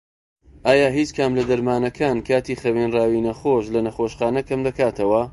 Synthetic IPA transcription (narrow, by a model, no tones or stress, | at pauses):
ʔaːjaːɦit͡ʃkʰamlɐd̪ɐɾmaːnɐkʰaːnkʰaːt̪iːxɐwenraːwinɐxoʃlɐnɐxoːʃχaːnɐkʰɐmd̪ɐkaːt̪ʰɐwɐ